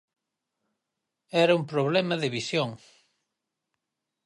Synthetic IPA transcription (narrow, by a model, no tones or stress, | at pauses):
ɛɾɐumpɾoβlɛmɐðeβisjoŋ